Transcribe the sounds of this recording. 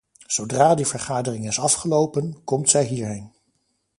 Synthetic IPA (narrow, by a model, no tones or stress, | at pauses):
z̥owdraːdivəɹχaːdərɪŋɪsɑfχəlowpənkɔmtsɛjɦiːɹɦejn